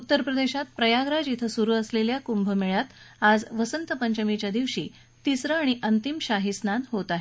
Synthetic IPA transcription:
ut̪ːəɾpɾəd̪eɕat̪̚pɾəjaɡɾad͡ʑit̪ʰəsuɾuːəsleljakumbʱəmeɭjat̪ad͡zʋəsənt̪əpəɲt͡ɕəmit͡ɕjad̪iʋɕiː | t̪isɾəaɽ̃iʔənt̪imɕaɦisnanɦot̪aɦe

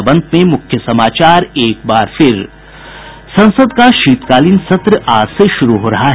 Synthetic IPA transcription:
bə̃nd̪̚mẽmʊkʰjəsɐmaːt͡ʃaːɾeːk̚baːɾfʰɪɾ | sɐ̃nsəd̪kaʃiːt̪kaːlinsɐt̪ɾəʔaːɾseʃʊɾuɦoːɾɐɦaɦ

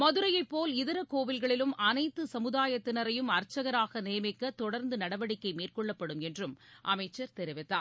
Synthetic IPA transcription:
mɐðɯɾɐjɐɪpːoːlɪðɐɾɐkoːʋɪlɣɐɭɪlɯmɐnɐɪt̪ːɯsɐmɯðaːjɐt̪ːɪnɐɾɐjɯmɐɾt͡ʃːɐɣɐɾaːɣɐneːmɪkːɐt̪ɔɽɐɾnd̪ɯnɐɽɐʋɐɽɪkːɐɪmiːrkɔɭːɐpːɐɽɯmɛndrɯmʔɐmɐɪt͡ʃːɐɾt̪ɛɾɪʋɪt̪ːa̰ː

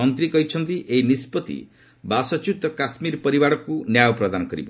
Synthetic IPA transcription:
ɔnt̪ɾikɔɦit͡ʃʰɔnt̪iʔeinispɔt̪ḭ | basɔt͡ʃut̪ɔkasmiɾpɔɾibaɽɔkunjajɔpɾɔd̪anɔkɔɾḭbɔ

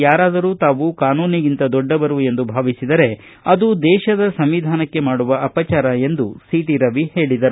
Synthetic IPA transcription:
jaːɾaːd̪ɐɾuːt̪aːʋukaːnuːniɡint̪ɐd̪ɔɖːɐbɐɾue̞nd̪ubʱaːʋisid̪ɐɾe̞ | ɐd̪ud̪ɛːʃɐd̪ɐsɐmʋid̪ʱaːnɐkːe̞maːɽuʋɐʔɐpɐt͡ʃaːɾɐe̞nd̪usiːʈiɾɐʋihe̞ːɭid̪ɐɾu

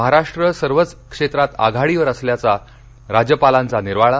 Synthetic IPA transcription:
əɦaɾaʂʈɾəsəɾʋət͡skʂet̪ɾat̪a̰ɡʱaɽiʋəɾəsljat͡sa | ɾad͡ʑjəpalãnt͡saniɾʋaɭa

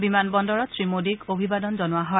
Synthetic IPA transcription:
bimanbɔndɔɹɔtsɹimodiɡobʱibadɔnzɔnʊwaɦɔ

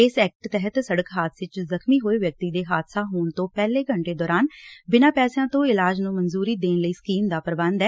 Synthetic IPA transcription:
ɪsɛːk̚ʈt̪ɛɦət̪səɽəkɦaːt̪ʰsɪt͡ʃzəkʰmiːɦoːeːʋjək̚t̪iːd̪eːɦaːd̪saːɦoːɳt̪õːpɛːleːɡəɳʈeːd̪ɔːɾaːnbɪnãːpɛːsejãːt̪õːɪlaːd͡ʒnũːmənzuːɾiːd̪eːnləiːskiːmd̪aːpəɾbə̃nd̪ɛː

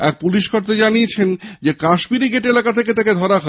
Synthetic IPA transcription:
ɛk̚puliʃkʰoɾt̪ed͡ʑaniet͡ɕʰend͡ʑekaʃbiɾiɡeʈelakat̪ʰek̬et̪aked̪ʱɔɾakʰa

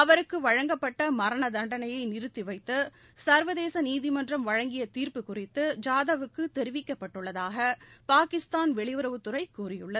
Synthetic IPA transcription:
ɐʋɐɾɯkːɯʋɐɻɐŋɡɐpːɐʈːɐmɐɾɐɳɐd̪ɐɳɖɐnɐjɐɪnɪɾɯt̪ːiʋɐɪt̪ːɯ | sɐɾʋɐðeːsɐniːðɪmɐndrɐmʋɐɻɐŋɡɪjɐt̪iːɾpɯkʊrɪt̪ːɯd͡ʒaːðɐʋɯkːɯt̪ɛɾɪʋɪkːɐpːɐʈːɯɭːɐðaːɣɐpaːkɪst̪aːnʋɛɭɪʋɯɾɐʋɯt̪ːʊrɐɪkːuːrɪjɯɭːɐð

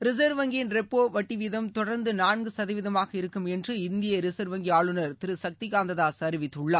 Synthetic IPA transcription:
ɾɪs̬ɐɾʋɐŋɡɪnɾɛpːoːʋɐʈːɪʋɪðɐmt̪ɔɽɐɾnd̪ɯnaːnɡɯsɐðɐʋɪðɐmaːɣɐɪɾɯkːɯmɛndrɯɪnd̪ɪjɐɾɪsɐɾʋɐŋɡiaːɭɯnɐɾt̪ɪɾɯsɐk̚t̪ɪkaːnd̪ɐðaːsɐɾɪʋɪt̪ːɯɭːɐ

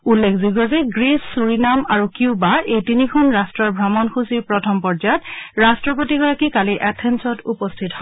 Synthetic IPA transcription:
ulːekʰziɡɔzɛɡɹisːuɹinamaɹukiʊbaʔejtinikʰɔnɹastɹɔɹbʱɹamɔnxusiɹpɹɔtʰɔmpɔɹd͡ʒajɔtɹastɹɔpɔtiɡɔɹakikaliʔɛtʰɛnsɔtupɔstʰithɔ

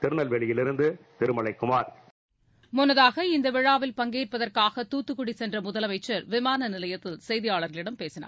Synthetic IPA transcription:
t̪ɪɾɯnɐlʋɛɭɪjɪlɪɾɯnd̪ɯt̪ɪɾɯmɐɭɐɪkːɯmaːɾ | mʊnːɐðaːɣɐɪnd̪ɐʋɪɻaːʋɪlpɐŋɡeːrpɐðɐrkaːɣɐt̪uːt̪ːɯkːʊɽisɛndrɐmʊðɐlɐʋɐɪt͡ʃːɐɾʋɪmaːnɐnɪlɐjɐt̪ːɪlsɛjðɪjaːɭɐɾɣɐɭɪɽɐmpeːsɪna̰ː

